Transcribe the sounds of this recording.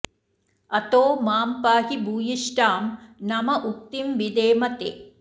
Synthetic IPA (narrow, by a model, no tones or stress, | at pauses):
ɐt̪oːmaːmpaːɦibʱuːjiʃʈaːmnɐmɐʔuk̚t̪imʋid̪eːmɐt̪ḛː